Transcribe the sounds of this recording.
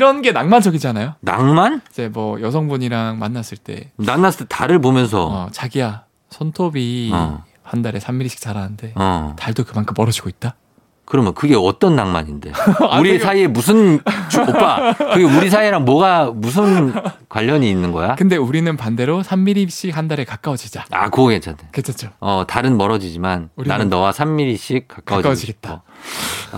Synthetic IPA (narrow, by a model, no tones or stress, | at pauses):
ɾʌnɡe̞naŋmand͡ʑʌɡid͡ʑanajona̰ŋmanid͡ʑe̞mwʌjʌsʰʌŋbuɲiɾaŋmanːas͈ɯɭt͈e̞̰nanːas͈ɯɭt͈ːetaɾɯɭpomjʌns̬ʰʌ̰ʌt͡ɕaɡija | sʰʌntʰobḭ | handaɾe̞sʰamːiɾiɕ͈i̥k̚t͡ɕ͈aɾanɯnde̞ʌ̰taɭdokɯmaŋkʰɯmːʌɾʌd͡ʑiɡoit̚t͈a | kɯɾʌmjʌnkɯɡe̞ʌt͈ʌnːaŋma̰ɲinde̞̰uɾisʰaiemus̬ʰɯnt͡ɕopp͈aɯɡeuɾis̬ʰaiɾaŋmwʌɡamus̬ʰɯnkwaʎːʌɲiːnːɯnɡʌ̰jakɯnde̞uɾinɯnpande̞ɾosʰamːiɾiɕ͈ikhandaɾe̞kak͈awʌd͡ʑid͡ʑaa̰koɡet͡ɕʰadeket͡ɕʰat͡ɕ͈oʌtaɾɯnmʌɾʌd͡ʑid͡ʑimanunanɯnːʌwasʰamːiɾiɕ͈ʰik̚k͈ak͈kaawʌkawʌd͡ʑiɡe̞t̚t͈a